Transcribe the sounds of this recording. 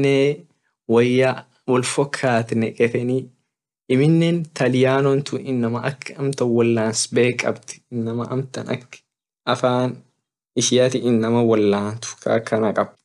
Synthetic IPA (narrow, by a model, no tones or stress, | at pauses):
neː | wɐjːa | wɔlfɔkʰːaːt̪nɛkʼɛt̪ɛniː | ʔɪmɪnːeːnt̪ɐlɪjaːnɔnt̪ʊɪnːɐmɐʔɐkʰːɐmt̪ɐwɐlːaːnsbe̞ːkʼːɐ̰bt̪ɪ̥ɪnːɐmɐʔɐ̰mt̪ɐnɐ̰kː | ɐfaːn | ɪʃɪjat̪ɪɪnːɐmɐwɐlːaːnt̪ʊ̥kʰa̰ːkʰːɐnɐkʼɐb